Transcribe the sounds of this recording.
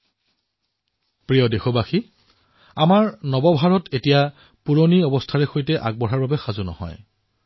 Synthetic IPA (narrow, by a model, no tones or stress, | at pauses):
pɹijɔdexɔbaxi | amaɹnɔbɔbʱaɹɔtʰetija | puɹoniɔbɔstʰaɹɛxojtɛʔaɡ̚bɔɹaɹbabɛxazunɔ̰hɔ̰j